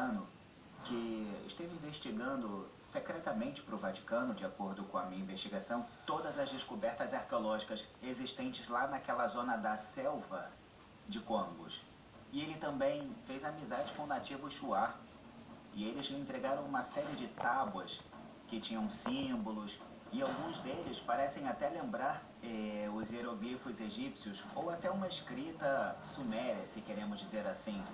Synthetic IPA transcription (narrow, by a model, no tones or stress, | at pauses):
nʊ | kɪ̰ʃt̪evĩveʃt͡ʃiɡɐ̃nd̪ʊ | sekɾɛt̪ɐmẽnt͡ʃɪ̥pɾʊvat͡ʃi̥kɐ̃nʊd͡ʒɪakoɾd̪ʊkõɐmĩɲɐĩveʃt͡ʃiɡasɐ̃w̃t̪od̪ɐzɐzd͡ʒɪskubɛɾt̪ɐzaɾkeolɔʒikɐseziʃt̪ẽnt͡ʃɪzlanɐkɛlɐzõnɐd̪ɐsɛwvɐ | d͡ʒɪkõɡʊ̰s | ɪelɪt̪ɐ̃mbẽj̃fejzamizad͡ʒɪkõnat͡ʃivʊʃua | ɪelɪzẽnt̪ɾeɡaɾɐ̃w̃ũmɐsɛɾiɪd͡ʒɪt̪abwɐs | kɪt͡ʃĩɲɐ̃w̃sĩmbʊlʊs | ɪawɡũzd̪elɪspaɾɛsẽj̃at̪ɛlẽmbɾaɾ | ɛʊzeɾoɡifʊzeʒipsiʊsowat̪ɛũmɐiskɾit̪ɐsumɛɾɐsɪkeɾẽmʊzd͡ʒizeɾasĩ